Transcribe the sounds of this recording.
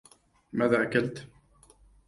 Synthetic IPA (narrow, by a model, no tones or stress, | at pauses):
maːðaːʔakalt̪